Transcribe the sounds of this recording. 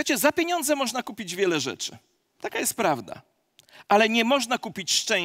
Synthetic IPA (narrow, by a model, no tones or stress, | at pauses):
at͡ɕɛzapʲjeɲɔnd̪zɛmɔʐnakupʲid͡ʑvʲjɛlɛʐɛ̰t͡ʂɘ̰ | t̪akajɛst̪̚pɾavd̪a̰ | ʔalɛɲɛmɔʐnakupʲit͡ɕʂt͡ʂɛ̃